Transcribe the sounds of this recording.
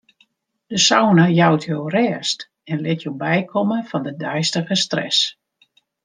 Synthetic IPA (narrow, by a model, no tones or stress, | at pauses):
d̥əsɔwnəjawtʰjowrɛːst | ɛnlɪtʰjowbɛjkʰɔməfɔndədœɥstəɣəstrɛ̰s